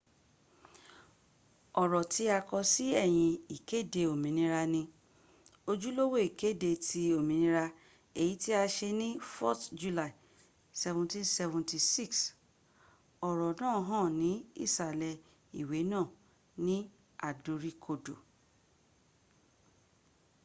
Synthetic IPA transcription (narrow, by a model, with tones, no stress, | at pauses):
ɔ˨ɾɔ˨ti˦a˧kɔ˧si˦ɛ˦˨j̃ĩ˧i˨ke˦˨de˧o˨mĩ˨nĩ˧ɾa˧nĩ˧ | o˧d͡ʒu˦lo˦wo˦˨i˨ke˦de˧ti˧o˨mĩ˨nĩ˧˦ɾa˧ | e˨ji˨˦ti˦a˧ʃe˧nĩ˦fɔ˦td͡ʒu˦˧la˦˨i˨ | sɛ˧vũ˨ntĩ˦nsɛ˧vũ˨ti˧si˦˨ks | ɔ˨ɾɔ˨nãː˦˨˦ɦã˦˨nĩ˨˦ḭ˦˨sa˨lɛ˧ | i˨we˨˦nãː˦˨ | nĩ˦ | a˨du˨˧ɾi˦kʰo˧do̰˨